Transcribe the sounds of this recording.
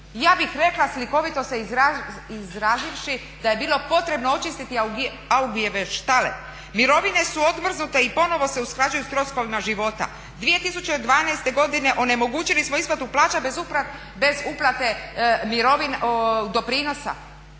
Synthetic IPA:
jaːbixɾe̞klasliko̞ʋit̪o̞seizaizɾaːziʋʃi | d̪aje̞biːlo̞po̞t̪ɾe̞bnoot͡ʃist̪it̪i | auɡujeʋeʃt̪alḛ | miɾo̞ʋine̞suo̞d̪mr̩znut̪e̞ipo̞no̞ʋo̞se̞usklˠad͡ʑujust̪ɾo̞sko̞ʋimaʒiʋo̞t̪a̰ | d̪ʋie̞t̪isut͡ɕe̞d̪ʋaːnajst̪e̞ɡo̞d̪ine̞ʔo̞ne̞mo̞ɡuːt͡ɕilismo̞izpat̪uplˠaːt͡ʃabe̞zuplat̪ | be̞zuplˠat̪e̞miɾoʋind̪o̞pɾiːno̞sa̰

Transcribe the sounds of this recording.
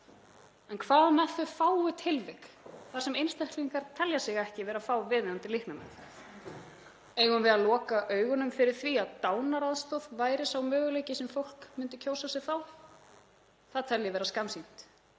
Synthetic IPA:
ɛnkʰvaːðmɛθʏfaːwʏt̪ʰɪlvɪk | θḁsɛmejnst̪ajhk̪liŋkaɾt̪ʰɛljasɪɣɛhcɪvɛːɾafawvɪːðɪnant̪ɪlɪhknamɛ̰ | ɛɣʏnvɪðalɔːkaʔœːɥɣʏnʏmfɪɾɪɾ̥θviaðt̪aːwnaɾaðst̪ɔðvaːjɾɪsawmœːɣʏlejcɪsɛmfowl̥kmʏnt̪ʏcʰowsasɛɣθaw | θaðt̪ʰɛljɪvɛːɾaskamsin̥t̪

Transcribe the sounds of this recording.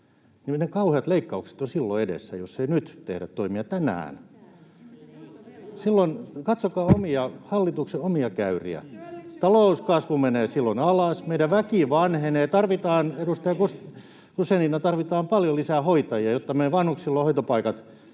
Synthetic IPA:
ninekɑuheɑt̪leikːɑukse̥t̪osilːo̰edḛsːæ̰josːeinyt̪t̪ḛhɾæt̪t̪oimiɑt̪ænæ̰ːn | silːonkɑt̪sokɑːomiɑhɑlːit̪ukseomiɑkæyrḭæ̰t̪ɑlouskɑsʋumeneːsilːonɑlɑsmeidæʋʋækiʋɑnheneːt̪ɑrʋit̪ɑːnedust̪ɑjɑkus | kuseininɑt̪ɑrʋit̪ɑːmpɑljolisæhoit̪ɑjiɑjot̪ːɑmeiʋɑnhukssilːohoit̪opɑikɑt̪

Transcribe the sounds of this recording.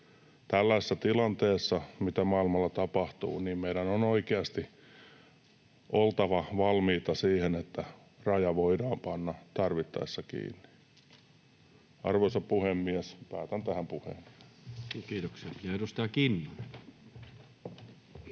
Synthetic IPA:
t̪ælːæesːæt̪ilɑnt̪eːsːɑmit̪æmɑilmɑlːɑt̪ɑpɑht̪ṵːniːmmeidænonoikeɑst̪i | ʔolt̪ɑʋɑʋɑlmiːt̪ɑsiːhenet̪ːæ | rɑjɑʋoidɑːmpɑnːɑt̪ɑrʋit̪ːɑ̰esːɑkḭːnːi̥ | ɑ̰rʋoisɑppuhemːiæspæːt̪ænt̪æhæmpuhḛːn | kiːt̪oksiɑpit̪edust̪ɑɑkinːi

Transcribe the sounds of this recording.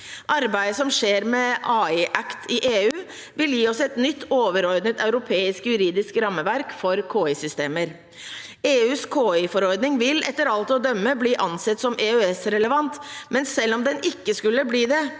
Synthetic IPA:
ʔɑɾbæɪd̪əsɔmʂeːɾmɛʔɑːɪʔækt̪ʰɪʔeːʉː | ʋɪljiːɔsɛt̪nʏt̪ːoːʋəɾɔɾd̪nət̪ɑʉɾʊpʰeːɪskjʉɾiːd̪ɪskɾɑmːəʋæɾkfɔɾkʰoːɪsʏst̪eːməɾ | eːʉːskʰoːɪfɔɾɔɾd̪nɪŋʋɪlɛt̪ːəɾɑlt̪ɔd̪œmːəbliːʔɑnsɛt̪ːsɔmeːœɛsɾɛləʋɑnt̪mɛnsɛlːɔmd̪ɛnɪkːəskʉlːəbliːd̪ɛ

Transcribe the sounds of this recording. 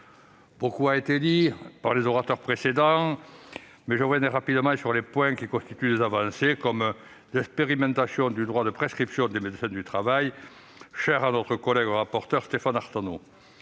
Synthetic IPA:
b̥okuaet̪ed̪ipaʁlezɔʁat̪œʁpχesed̪ɑ̃ | mɛʒəʁvjɛnɛʁapid̪əmɑ̃syʁlepwɛ̃kikɔ̃st̪it̪yd̪ezavɑ̃sekɔm | d̪ɛkspeʁimɑ̃t̪asjɔ̃d̪yd̪ʁwad̪əpχeskχipsjɔ̃d̪emed̪əsɛ̃d̪yt̪χavaj | ʃɛʁanɔt̪χəkɔlɛɡəʁapɔʁt̪œʁst̪efãnaʁt̪ano

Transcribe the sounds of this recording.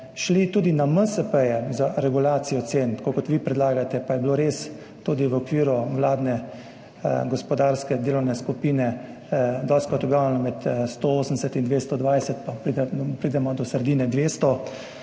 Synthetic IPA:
ʃlit̪uːd̪inaməsəpəjɛzaɾɛɡulaːt̪sijɔt̪seːnt̪ḁkokɔt̪ʋiːpɾɛd̪laːɡat̪ɛpajɛbloɾes | t̪uːd̪iʋəɔkʋiːɾuwlaːd̪nɛ | ɡɔspɔd̪aːɾskɛd̪eːlɔwnɛskupiːnɛ | d̪ɔskɔt̪ɔɡɾawnɛnɔmɛt̪st̪ooːsnd̪ɛsɛt̪ind̪ʋest̪ɔd̪ʋajsɛt̪papɾid̪ɛpɾid̪ɛmɔd̪ɔsəɾd̪iːnɛd̪ʋeːst̪ɔ

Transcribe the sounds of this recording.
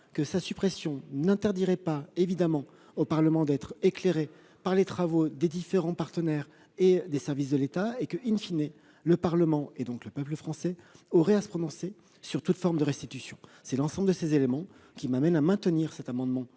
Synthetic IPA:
kəsasypχɛsjɔ̃nɛ̃t̪ɛʁd̪iʁɛpaevid̪amɑ̃ | opaʁləmɑ̃d̪ɛt̪χekleʁe | paʁlet̪χavod̪ed̪ifeʁɑ̃paʁt̪ənɛʁ | ed̪esɛʁvis̬d̪əlet̪aekəʔinfine | ləpaʁləmɑ̃ed̪ɔ̃kləpœpləfχɑ̃sɛɔʁɛasə̥pχɔnɔ̃se | syʁt̪ut̪fɔʁmd̪əʁɛst̪it̪ysjɔ̃sɛlɑ̃sɑ̃bləd̪əsezelemɑ̃ | kʲimamɛnamɛ̃t̪əniʁsɛt̪amɑ̃d̪mɑ̃

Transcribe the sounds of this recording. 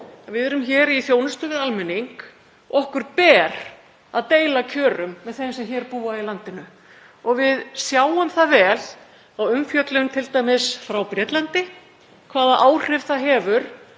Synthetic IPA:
avɪðɛɾʏmçɛːɾiθjoːwnʏst̪ʏvɪalmɛniŋk | ɔhkʏɾ̥pɛːɾ̥ | aðt̪eːjlacʰœːɾʏmːɛðθejnsɛmçɛːɾpuːailant̪ɪnʏ | ɔɣvɪðsjaːwʏmθavɛːl | awʏmfjœt̪lʏnt̪ʰɪlt̪ajmɪsfɾawpɾjɛːt̪lant̪ɪ | kʰvaːðaʔaːwr̥ɪv̥θaɦɛːvʏɾ̥

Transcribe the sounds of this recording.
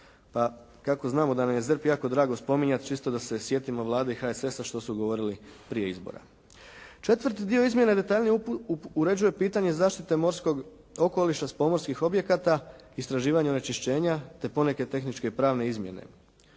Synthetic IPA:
pa | kako̞znaːmo̞d̪anamje̞zərpjaːko̞d̪ɾaːɡo̞spo̞miɲat̪t͡ʃist̪o̞d̪ase̞sje̞t̪imoʋlˠaːd̪eixaese̞saʃt̪o̞suɡo̞ʋo̞ɾili | pɾije̞izbo̰ɾa̰ | t͡ʃe̞t̪ʋɾt̪id̪ioizmje̞naed̪e̞t̪aːʎniuɾe̞d͡ʑuje̞piːt̪aɲe̞zaːʃt̪it̪e̞moɾsko̞ɡ | o̞ko̞liʃaspo̞moɾskixo̞bje̞kat̪a | ist̪ɾaʒiːʋaɲeone̞t͡ʃiʃt͡ɕe̞ːɲat̪e̞po̞ne̞ke̞t̪e̞xnit͡ʃke̞pɾaːʋneizmje̞̰ne̞̰

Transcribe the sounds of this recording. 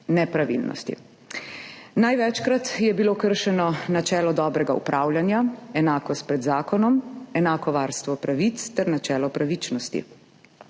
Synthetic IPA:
nɛpɾaʋḭlnɔ̰st̪ḭ | najʋɛt͡ʃkɾat̪jɛbiloːkəɾʃɛnɔnat͡ʃɛːlɔd̪ɔːbɾɛɡaṵpɾʔaːwljanjaɛnaːkɔst̪̚pɾɛd̪zaːkɔnɔmɛnaːkɔʋaːɾst̪ʋɔpɾaʋit̪st̪ɛɾnat͡ʃɛːlɔpɾaʋit͡ʃnɔst̪ḭ

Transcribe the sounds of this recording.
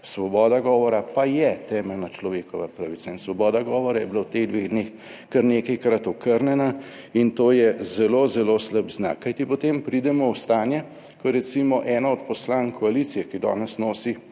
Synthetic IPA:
sʋɔbɔːd̪aɡɔːʋɔɾapajɛt̪ɛːmɛlnat͡ʃlɔʋeːkɔʋapɾɐʋit̪sainsʋɔbɔːd̪aɡɔːʋɔɾajɛbilawt̪eɣd̪ʋeɣd̪neːx | kɐɾneːkɐjkɾat̪ɔkəɾnɛna | int̪oːjɛzɛlozɛlosləbzna̰kːajt̪ipɔt̪eːmpɾid̪ɛmɔwst̪aːnjɛ | kɔɾɛt̪simɔʔɛːnaɔt̪̚pɔslaːŋkʰɔalit̪sijɛkid̪ɔ̰ːnɛsnoːsi

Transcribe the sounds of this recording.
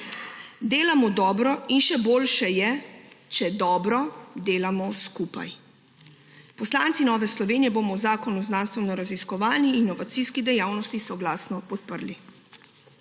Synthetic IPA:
d̪eːlamɔd̪ɔːbɾɔinʃɛboːlʃɛjɛt͡ʃɛd̪ɔːbɾɔd̪eːlamɔskupa̰j | pɔslaːnt̪sinɔːʋɛslɔʋeːnijɛboːmɔwzaːkɔnuznaːnst̪ʋɛnɔɾaziskɔʋaːliːnːɔʋat̪siskid̪ɛjaːwnɔst̪isɔɡlaːsnɔpɔt̪̚pəɾli

